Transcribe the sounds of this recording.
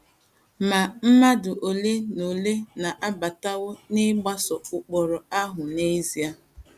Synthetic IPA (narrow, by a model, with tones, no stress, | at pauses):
ma˨m̩˦ma˦dʊ˨ʔo˨le˦no˨le˦na˨ʔa˦ba˨ta˦wʊ˦nɪ˦ɡ͡ba˦sɔ˨ʊ˨k͡pɔ˨ɾɔ˨a˦ɦʊ˨ne˦zi˨˦a˦